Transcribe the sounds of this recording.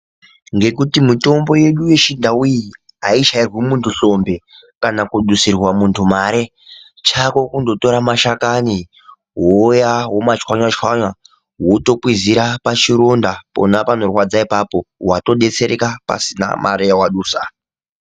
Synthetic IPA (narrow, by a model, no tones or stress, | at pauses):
ŋɡe̞kutimito̞mbo̞je̞ɗuje̞ʃindauji | aiʃairwimuntʰuɬo̞mbe̞ | kanakuɗusirwamuntʰumaɾe̞ | t͡ʃako̞kundo̞to̞ɾamaʃakani | ɦojaɦo̞mat͡ʃwaɲwat͡ʃwaɲwa | ɦoto̞kwiziɾapat͡ʃiɾondapo̞̰napano̞rwad͡zaipapo̞wato̞ɗe̞t͡se̞ɾekapa̰sina̰mʔa̰ɾejawaɗuːsa̰